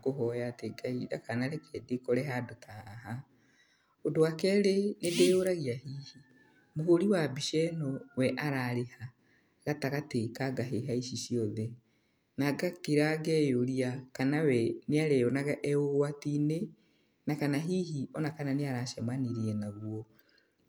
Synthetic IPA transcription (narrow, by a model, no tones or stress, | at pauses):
koɦɔjateɡaiɾa̰kanaɾɛkɛdekɔɾɛɦadotʰaɦa | odowakɛːɾenedeoɾaɣiahiːhi | mohoɾiwabiʃɛnɔwɛʔaɾaɾeha | ɣataɣatekaɡaɦeɦaiʃiʃiɔðɛ | naɡakeɾaɡɛjoɾiakanawɛneaɾɛɔnaɣaʔɛoɣwatine | nakanaɦiːɦiɔnakananeaɾaʃɛmaneɾiɛnaɣwɔ